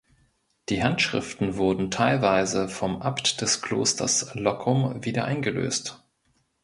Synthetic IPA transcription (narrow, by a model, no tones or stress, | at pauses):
d̥iːhantʃʁ̥ɪ̰ftn̩vʊɐdn̩tʰaɪlvaɪzəfɔmʔaptd̥ɛskʰl̥o̰ːstʰɐ̰slɔkʰʊmviːdɐʔa̰ɪnɡəlø̰ːst